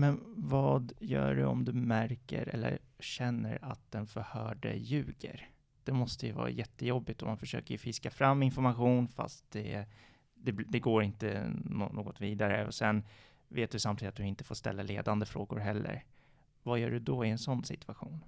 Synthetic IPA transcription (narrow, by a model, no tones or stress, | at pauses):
mɛnvɑːd̪jœ̰ːɖɵɔ̰md̪ɵmæɾkəɾɛlːə̰ɾɕɛnːəɾat̪̚d̪̥ɛnfœɾhœːɖə̰jʉ̟ːɡəɾ | d̪̥ɛmɔst̪əjɵvɑ̰ːɾajɛt̪ːəjɔbːɪt̪ɔmːanfœʂøːkəjɵfɪskafɾamːɪnfɔɾmaɧuːnfa̰st̪̚d̪ɛɛ | d̪ɛbd̪ɛɡoːɾɪnt̪ə̰no̰noːɡɔt̪viːd̪aɾə̰ɔsɛn | veːt̪̚d̪ɵsamt̪ʰiːd̪at̪d̪ɵɪnt̪ə̥foːʂt̪ɛ̰lːaleːd̪and̪əfɾoːɡʊɾɦɛlːə̰ɾ | vajœːɖɵd̪ɔɪɛnsɔnːsɪt̪ʰʉ̥aɧuːn